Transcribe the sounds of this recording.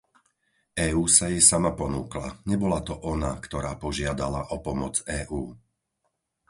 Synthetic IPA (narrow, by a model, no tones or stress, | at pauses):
ʔɛːuːsajɛsamapɔnuːkla̰ɲɛbɔlat̪ɔʔɔna̰kt̪ɔɾaːpɔʒɪad̪alaʔɔpɔmɔt͡sɛːʔuː